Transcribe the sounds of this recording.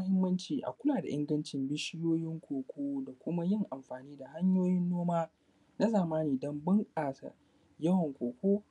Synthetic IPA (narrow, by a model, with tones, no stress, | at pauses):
mɐ˦hɪ˦mːɐ˦nt͡ʃiː˨ʔa̰˨kʷʊ˦laː˨da̰˨ʔɪ̰˦ŋɡɐ˦nt͡ʃɪ˨mbɪ˦ʃɪ˦joː˦jɪ˦ŋkʷʰoː˨kʷʰoː˦da˨kʷʊ˦ma˦jɪ˦ŋʔa˨mɸaː˨niː˦da˨ha˦ɲjoː˦jɪ˦nːoː˦maː˦ | na˦zaː˨maː˦niː˨dɐ˦mbʊ˦ŋkʼaː˨sa̰˨ | jɐ˦wɐ˨ŋkʷoː˨kʷoː˦